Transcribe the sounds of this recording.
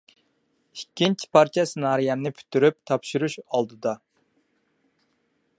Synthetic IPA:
ikʲʰːint͡ʃʰi̥pʰɑɾt͡ʃʰɛsɨnɑːɾijɛnɨpʰy̥t̪ʰːyɾyp̚t̪ʰɑpʃuɾuʃɑlˠd̪ɨd̪ɑ

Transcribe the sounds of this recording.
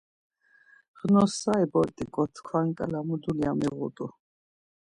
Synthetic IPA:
ʁnɔsaɛbɔɾt̪ʼikʼɔt̪ʰkʰwaŋkʼalamud̪ulia̰miʁṵt̪ʼu

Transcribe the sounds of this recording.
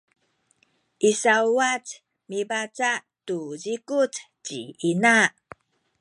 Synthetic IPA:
ʔisauat͡s | mibat͡saʔ | tuzikut͡s | t͡ɕiinaʔ

